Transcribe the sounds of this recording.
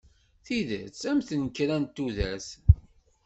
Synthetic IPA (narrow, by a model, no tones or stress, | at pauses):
θiðæ̰t͡sːæmθənkɾænt̪ːuðæs